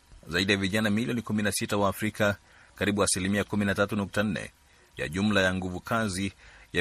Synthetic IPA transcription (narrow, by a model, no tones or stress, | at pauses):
zaiɗijaviʄanamiliɔnikuminasitawaːfɾika | kaɾiɓuasilimiakuminatatunuk̚tan̩nɛ̰ | ja̰ʄum̩lajaŋɡuvukʰazija